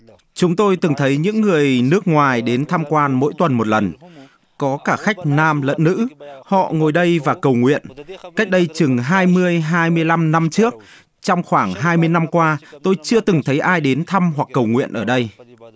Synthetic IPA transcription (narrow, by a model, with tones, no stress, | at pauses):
t͡ɕʊ˨˦ŋ͡mt̪o˧jt̪ɨ˨˩ŋt̪ʰə˨˦jɲɨ̰˧˥ŋːɨ˨˩əjnɨ˦˥ək̚ŋwaː˨˩jɗe˨˦nt̪ʰaː˧mkwaː˧nmo̰˧˥jt̪wə˨˩nmo˨˩t̚lə˨˩n | kɔ˨˦kaː˧˩xa˦˥jk̟̚naː˧mlə̰˧˥nːɨ̰˧˥hɔ̰˧˨ŋo˨˩jɗə˧jvaː˨˩kə˨˩wŋwḭ˧˨ənka˦˥jk̟̚ɗə˧jt͡ɕɨ˨˩ŋɦaː˧jmɨ˧əjɦaː˧jmɨ˧əjla˧mna˧mt͡ɕɨ˦˥ək̚ | t͡ɕɔ˧wŋ͡mxwaː˧˩ŋɦaː˧jmɨ˧əjna˧mkwaː˧t̪o˧jt͡ɕɨ˧ət̪ɨ˨˩ŋt̪ʰə˨˦jʔaː˧jɗe˨˦nt̪ʰa˧mɦwa˨˩kːə˨˩wŋwḭ˧˨ənʔəː˧˩ɗə˧j